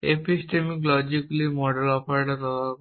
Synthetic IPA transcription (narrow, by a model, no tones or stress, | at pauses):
episʈemiklɔd͡ʒiklimɔɖelɔpʰaɾʈatɔ